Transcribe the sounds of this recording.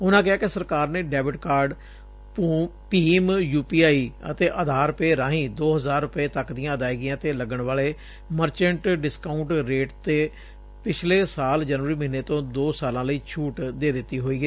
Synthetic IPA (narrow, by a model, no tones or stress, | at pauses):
ʊnãːk̬ɪɦaːkɪsəɾkaːɾneːɖɛːbɪʈkaːɾɖ | piːmjuːpiːaːiːə̰t̪eːʔəːd̪ʱaːɾʊpeːɾãːɦĩːd̪oːɦəzaːɾːʊpeːt̪əkd̪ɪjãːəd̪aːiːɡɪjãːt̪eːləɡəɳʋaːleː | məɾt͡ʃə̃ɳʈɖɪskaːʊɳʈɾeːʈt̪eː | pɪt͡ʃʰleːsaːld͡ʒəːnʋəɾiːməɦiːneːt̪õːd̪oːsaːlãːləiːt͡ʃʰuːʈd̪eːd̪ɪt̪ːiːɦoːiːɡeː